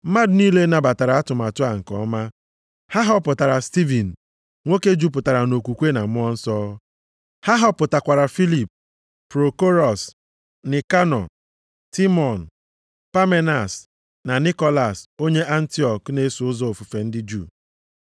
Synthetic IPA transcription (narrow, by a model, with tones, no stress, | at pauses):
ma˦dni˦le˦na˨ba˨ta˨ɾa˨a˦tʊ˨ma˨tʊ˦a˨ŋ̩˨kɔ̰˦ma˦ | ha˦ɦɔ˦pʊ˨ta˨ɾa˨sti˦vi˨n̩˨ | ŋʷo˦ke˦d͡ʒu˦p̬ʊ˨ta˨ɾa˨no˨kʷu˨kʷe˦na˨mʊ˦ɔ˦n̩˦sɔ˦ | ha˦ɦɔ˦pʊ˨ta˨kʷa˨ɾa˨fi˦li˨p̚ | pɾo˨ko˦ɾɔ˨s | nɪ˨ka˦nɔ˨ | ti˦mɔ˨n̩˨ | pa˦me˦na˨s | na˨ni˦kɔ˦la˨so˦ɲe˦ʔa˦n̩˦ti˦ɔ˨kne˨˦sʊ˨ʊ˦zɔ˦o˨fu˨fe˨n̩˦dɪ˦d͡ʒṵ˦˨